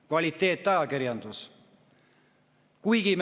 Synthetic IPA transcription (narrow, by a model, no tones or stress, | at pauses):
kvɑlʲit̪ːe̞ːt̪ːˑɑjɑkiɾjɑnd̪̥us | kujɡ̥im